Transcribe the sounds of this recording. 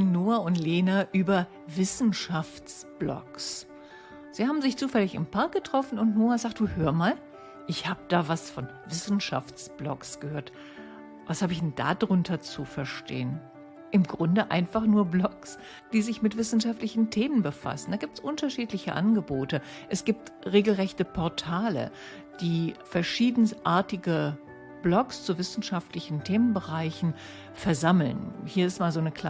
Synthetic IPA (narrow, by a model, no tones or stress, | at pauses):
noːaʊntleːnaʔyːbɐ | vɪsn̩ʃaft͡sb̥lɔ̰ks | z̥iːhaːbm̩zɪçt͡suːfɛlɪçɪ̰mpʰaɐk̚ɡ̥ətʁ̥ɔfn̩ʊntnoːazaːk̚t̚d̥uːhøːɐmaːl | ʔɪçhaːbəd̥aːvasfɔn | vɪsn̩ʃa̰ft͡sb̥lɔ̰ksɡ̥əhøːɐt | vashaːbəɪçdɛnda̰ːdʁʊntʰɐt͡sufɛɐʃtḛːən | ʔɪmɡʁʊndəʔa̰ɪnfaχnuːɐblɔks | d̥iːzɪçmɪtv̥ɪsn̩ʃaftlɪçn̩tʰeːmənbəfa̰sn̩d̥aːɡiːp̚tsʔʊntɐʃiːtlɪçəʔa̰nɡəboːtə | ʔɛsɡ̥iːp̚tʁeːɡl̩ʁɛçtəpʰɔɐtʰaːlə̰ | d̥iːfɛɐʃiːdn̩sʔaːɐtɪɡə | b̥lɔkst͡suvɪsn̩ʃaftlɪçn̩tʰeːmənbəʁaɪçn̩ | fɛɐzaml̩nhiːɐɪstmaːlzoːnəkʰla